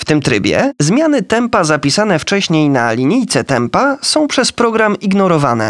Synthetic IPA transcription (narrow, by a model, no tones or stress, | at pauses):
ft̪ɘmt̪ɾɘ̰bʲjɛ̰zmʲjanɘt̪ɛmpazapʲisanɛft͡ʂɛɕɲejnalʲiɲijt̪sɛt̪ɛmpasɔ̃w̃pʂɛspɾɔɡɾamiɡnɔɾɔvanɛ̰